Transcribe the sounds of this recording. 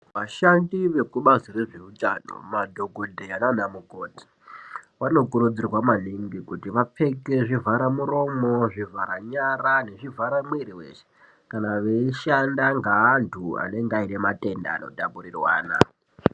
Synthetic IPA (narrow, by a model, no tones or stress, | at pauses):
ʋaʃandiʋe̞kuɓazire̞ʐe̞utano̰madʱo̞ɡʱodʱeananamuko̞ti̥ | wano̞kuɾud͡zirwamaliŋɡikutiʋap͡fe̞ke̞ʐivʱaɾamuɾo̞mo̞ʐivaɾaɲarane̞ʐivaɾamweɾiwe̞̰ʃe̥ | kanaʋeiʃandaŋɡaːntʰua̰ne̞ŋɡaine̞mate̞nda̰ːno̞̰taburirwa̰ːna̰